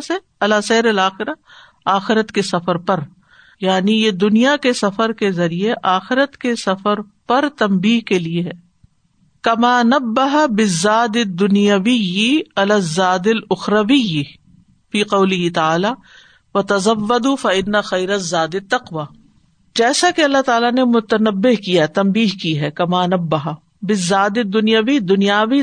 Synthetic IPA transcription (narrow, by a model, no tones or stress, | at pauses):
se | ɐlaːsɐːɾɐlaːxɪɾa | aːxɪɾət̪kesɐfəɾpɐɾ | jaːnijed̪ʊnijakesɐfəɾkezɐɾieʔaːxɪɾət̪kesɐfəɾpɐɾt̪ɐmbiːɦkelieɦɛː | kɐmaːnɐbːɐɦabɪzːaːd̪ɪd̪ːʊnijɐwɪjiɐlazːaːd̪ɪlʊxɾɐʋɪj | fiːqɐwlɪɦɪt̪ɐaːlaː | ʋɐt̪ɐzɐʋːɐd̪uːfɐɪnːɐxɐjɾɐzaːd̪ɪt̪ːɐqʋaː | d͡ʒɛːsakeɐlːaɦt̪aːlanemʊt̪ɐnɐbːɪɦkijaɦɛt̪ɐmbiːɦkiɦɛːkɐmaːnɐbːɐɦa | bɪzːaːd̪ɪd̪ːʊnijaʋid̪ʊnijaːʋi